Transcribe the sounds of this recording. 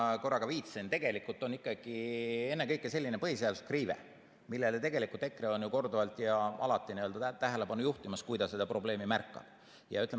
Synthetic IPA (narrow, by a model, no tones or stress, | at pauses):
ko̞rːɑɡɑviːt̪sent̪eɡ̥e̞likult̪ːˑo̞nikːˑɑɡ̥ie̞nːekɤjkːese̞lʲːinepɤɦiseɑd̪̥uskriːvḛ | milːe̞let̪e̞ɡe̞likult̪e̞kːreo̞njuko̞rd̪ovɑlt̪ˑjɑʔɑ̰lɑt̪ːˑiniøld̪̥ɑt̪æɦele̞pɑnːujuht̪imɑskujd̪̥ɑse̞d̪̥ɑpro̞ble̞ːmimærkːˑɑ̰b̥ | jɑ̰yt̪ːˑle